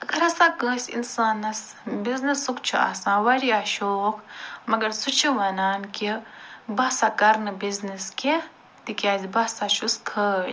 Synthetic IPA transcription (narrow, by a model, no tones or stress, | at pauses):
ɐɡɐɾɐsãːkə̃ːsʲḭnsaːnɐs | biznisukt͡ʃʰua̰sãːwɐɽiaːʃoːkmɐɡɐɾsut͡ʃʰiʋɐnaːnkʲibɐsaːkɐɾnɨbizniskʲe | t̪ikʲaːzibɐhsaːʃuskʰəːj